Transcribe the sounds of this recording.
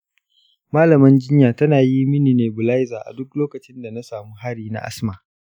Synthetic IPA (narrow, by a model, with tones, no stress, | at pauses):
maː˦lɐ˨mɐ˦nd͡ʒɪ˦ɲjaː˨tɐ˦naː˨ji˦mɪ˦niː˨neː˨bʊ˨la˦jzaː˨ʔa̰˨dʊ˦k̚loː˦kɐ˨t͡ʃɪ˦nda˨na˦saː˨muː˦ɦa˦ɽiː˨na̰˦ʔa̰˦smaː˨